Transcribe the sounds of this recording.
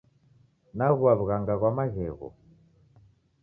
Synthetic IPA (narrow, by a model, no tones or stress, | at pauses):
naɣwaβuɣaŋɡaɣwamaɣɛɣɔ̰